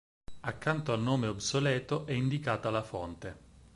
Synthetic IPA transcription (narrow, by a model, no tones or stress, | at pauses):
akːant̪oalnoːmeobsolɛːt̪oʔɛind̪ikaːt̪alafont̪e